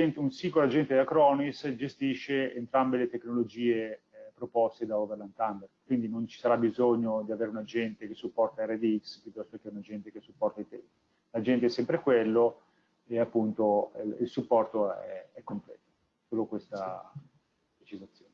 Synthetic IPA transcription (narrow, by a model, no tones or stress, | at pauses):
ɛnt̪unsiŋɡolad͡ʒɛnt̪ed̪akɾɔːnisd͡ʒest̪iʃːeent̪ɾambelet̪eknolod͡ʒiːe | pɾopɔst̪ed̪aoveɾlant̪anb̪erd̪kwind̪inont͡ʃi̥saɾabizoɲːod̪iaveːɾeunad͡ʒɛnt̪ekesupːɔrt̪aɛred̪iikspjut̪ːɔst̪okeunad͡ʒɛnt̪ekesupːɔrt̪ait̪ɛi | lad͡ʒɛnt̪eɛsɛmpɾekwelːo | eapːunt̪oililsupːɔrt̪oɛɛɛkːomplɛ̰ːt̪o̥ | soːlokwest̪a | pɾet͡ʃizat̪sːjoːne